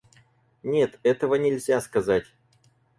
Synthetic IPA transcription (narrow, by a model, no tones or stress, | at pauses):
nʲe̞t̪ɛt̪əvənʲɪlʲzʲaskɐzatʲ